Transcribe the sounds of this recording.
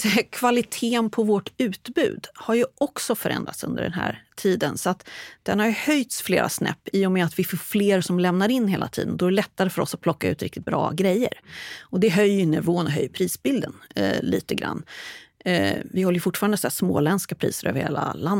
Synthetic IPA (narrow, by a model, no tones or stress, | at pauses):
kʰvalɪt̪ʰeːnpʰɔvɔʈʉ̟ːt̪bʉ̟ːd̪haɾjɵʔɔksɔfœɾʔɛ̰nd̪ɾa̰t̪sɵ̰nd̪ə̰ɖɛ̰nɦæ̰ːɾʈʰiːd̪ənsɔat̪d̪̥ɛnhaɾjɵhœjt̪sflḛːɾʔa̰snɛ̰pːiːɔmɛat̪vɪfoːfleːɾsɔmlɛmnaɾɪnːɦeːlʔa̰t̪ʰḭːd̪ənd̪ɔɛɾɛlɛt̪ːaɾəfœɾɔsat̪̚pʰlɔkːaʉ̟ːt̪ɾɪ̰k̚t̪ɪt̪̚bɾɑ̰ːɡɾɛjːə̰ɾɔd̪ɛɦœjːnɛvoːnɔɦœ̰jːpʰɾiːsbɪld̪ənlḭːt̪əɡɾa̰nː | vɪhɔlːəjəfʊʈːfɑːɾand̪sæsmo̰ːlɛnskapʰɾḭːsəɾø̰ːvəɾheːla̰land̪ə